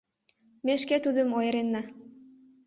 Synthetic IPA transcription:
meʃket̪ud̪əmojəɾenːɑ

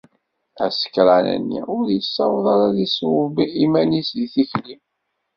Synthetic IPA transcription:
æsə̥kɾˤanæ̰nːḭʊɾjəsːɑwðˤɑɾaðiswəbiimænisðiθiçlim

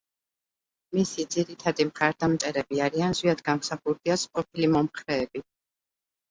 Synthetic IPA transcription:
misid̪ziɾit̪ʰad̪imχaɾd̪amt̪sʼɛɾɛbiaɾianzwiad̪ɡamsaχuɾd̪iasqʼɔpʰilimɔmχɾɛːbi

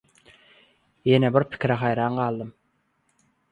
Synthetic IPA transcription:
jenebɪɾpʰi̥kʲɾæχɑjɾɑːnɢɑːlˠd̪ɯm

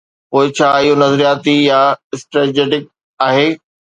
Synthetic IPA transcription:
poːɪt͡ɕʰaːɪɦonɐzɾijaːt̪ijaɪsʈɾed͡ʑeːʈɪk̚ | aːɦeː

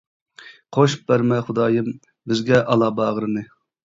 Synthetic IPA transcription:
qʰoʃu̥p̚bæɾmɛχʊd̪ɑːjɨm | bɪzɡʲɛʔɑlˠɑːbɑːʁɾɨnɨ

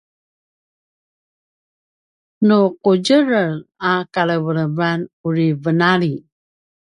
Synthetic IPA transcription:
nuquɟəɾənakaləvələbanuɾivənaɾi

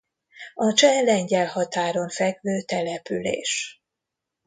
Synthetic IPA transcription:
ɒt͡ʃɛlɛɲɟɛlhɒt̪aːɾo̞ɱfɛɡvøːt̪ɛlɛpylḛːʃ

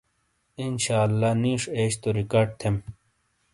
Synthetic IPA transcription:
inɕaːlːaniːʂeːɕt̪oɾikaːɖ̚t̪ʰem

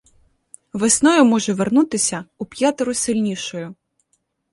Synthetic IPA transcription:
ʋesnɔjʊmɔʒɛʋernut̪ɪsʲɐʊpʲjat̪ɪɾʊsɪlʲnʲiʃɔjʊ

